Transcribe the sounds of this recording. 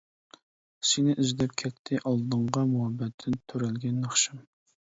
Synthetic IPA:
sɪnɪʔyzd̪ɛp̚kʲʰɛt̪ʰːɪʔɑlˠd̪əɴʁɑmuɦɛbːɛt̪ʰːɪnt̪ʰøɾɛlɡʲɛnːɑχʃɨm

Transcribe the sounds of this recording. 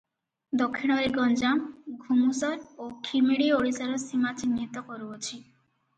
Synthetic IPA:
d̪okʰːiɽ̃ɔɾeɡɔnd͡ʒamɡʱumusɔɾokʰimiɽioɽisaɾɔsimat͡ʃinːit̪ɔkɔɾuɔt͡ʃʰi

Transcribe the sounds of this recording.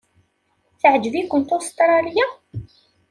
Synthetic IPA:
θəʕd͡ʒvikʷːənt̪ost̪ɾˤɑlja

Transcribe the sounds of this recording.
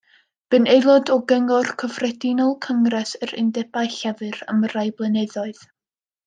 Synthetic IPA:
b̥ɨnejlˠɔdɔɡəŋɔrkʰəvrɛdinɔlˠkʰəŋrɛsəɾɪ̰ndɛbajɬɛvɨrə̰mərajblˠənɛðɔɨð

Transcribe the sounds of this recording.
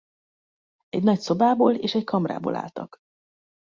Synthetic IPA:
ɛɟnɒcso̞baːboːleːʃɛckʰɒmra̰ːbo̰ːlʔa̰ːlt̪ɒ̰k

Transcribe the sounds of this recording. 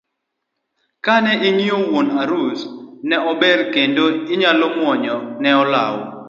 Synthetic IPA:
kanɛʔiŋiowonaɾusnɛɔbɛɾkendoiɲalɔmwɔɲɔnɛɔla̰wɔ̰

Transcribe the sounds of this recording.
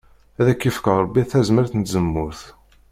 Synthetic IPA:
æðækːifkəʁˤɾˤəbːiæθæzməɾθənt̪zəmːʊɾθ

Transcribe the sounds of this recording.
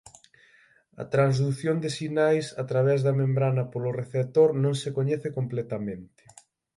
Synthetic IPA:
ɐ̰t̪ɾanzðuθjond̪ɪsinajsat̪ɾaβ̞ɛzðɐmẽmbɾanɐpoloreθet̪oɾnõŋsekoɲɛθɪkomplɛt̪ɐmẽnt̪ɪ̥

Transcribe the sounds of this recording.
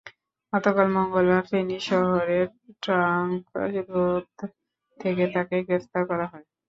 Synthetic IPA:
ɔt̪okalmɔŋɡolaɾfeniʃɔɦoɾeɾʈɾaŋkɾod̪ | t̪ʰːeket̪akeɡɾept̪aɾkɔɾaɦɔe

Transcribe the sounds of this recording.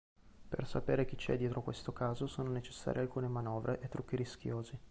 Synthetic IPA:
pḛrsapeːɾek̟it͡ʃɛ̰d̪ːjɛːt̪ɾokwest̪okaːzosoːnonet͡ʃe̥sːa̰ːɾjealkuːnemanɔːvɾeʔet̪ːɾukːiɾisk̟joːzi

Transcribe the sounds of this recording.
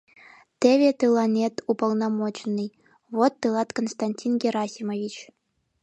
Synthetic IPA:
t̪ʲeʋʲet̪ɯlˠɑnʲet̪upŏlˠnɑmot͡ɕnːɨj | ʋot̪ːɯlˠɑt̪konst̪anʲtʲinɡʲeɾɑsʲimovʲit͡ɕ

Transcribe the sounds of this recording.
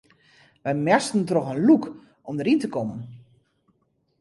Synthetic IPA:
ʋɛjmɛstn̩trɔxənluk | ʔɔmdəɾintəkɔmən

